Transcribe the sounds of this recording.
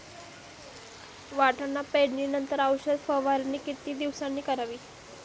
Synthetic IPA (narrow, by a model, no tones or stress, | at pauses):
ʋaʈanːapeɽniːnənt̪əɾaʋɕəd̪fəʋaɾanːiːkit̪iːd̪iʋsanːiːkəɾaʋiː